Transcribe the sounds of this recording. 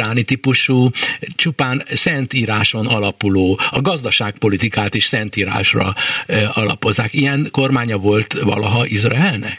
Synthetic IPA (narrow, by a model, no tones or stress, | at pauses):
aːnit̪ipuʃuːt͡ʃupaːnsɛnt̪iːɾaːʃo̞nɒlɒpuloːɒɡɒzd̪ɒʃaːk̚po̞lit̪ikaːt̪eːʃsɛnt̪iːɾa̰ːʃrɒ̰ɒlɒ̰po̞zːaːkijɛŋko̞rmaːɲɒvo̞lt̪vɒ̰lɒɦɒʔiʒrɒɛlnɛ̰k